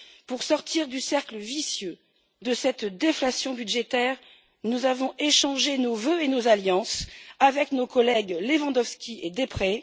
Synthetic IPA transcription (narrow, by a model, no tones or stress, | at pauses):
puʁsɔʁt̪ʰiʁd̪ysɛʁkləvisjø | d̪əsɛt̪d̪eflasjɔ̃byd̪ʒet̪ɛʁ | nuzavɔ̃ʔeʃɑ̃ʒenovøenozaljɑ̃savɛknokɔlɛɡlevɑ̃d̪ɔfskʲied̪epχɛ